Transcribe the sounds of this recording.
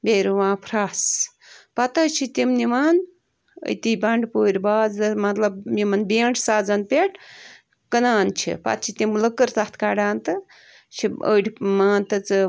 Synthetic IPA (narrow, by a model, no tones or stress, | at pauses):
beːɾuʋãːpʰɾaːs | pɐt̪ɐt͡ʃʰit̪imnimaːn | ə̰jt̪iːbɐɳɖpoːɾʲbaːzɨmɐt̪lɐbmimɐnbeːɳʈʰsaːd͡zɐnpʲeʈ | kənaːnt͡ʃʰḭpɐ̰t̪̚t͡ʃʰit̪imləkəɾt̪ɐht̪ʰkaːɖaːnt̪ɨ | t͡ʃʰiə̰ːʈʲmaːnt̪ɨt͡sɨ